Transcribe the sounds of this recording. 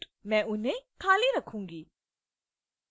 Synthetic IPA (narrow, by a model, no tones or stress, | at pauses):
mɛ̃ʔunekʰaliɾəkʰʊ̃ŋɡi